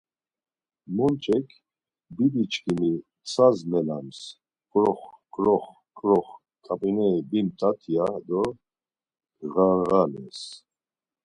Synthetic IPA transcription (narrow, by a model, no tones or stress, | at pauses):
mɔnt͡ʃʼɛkʰ | bib̪it͡ʃʰʼkʰʼimi | t͡sʰazmɛlams | kʼɾɔχkʼɾɔχ | kʼɾɔχ | kʼapʼinɛibimt̪ʼat̪ʰijad̪ɔ | ɣaɾɣalɛ̰s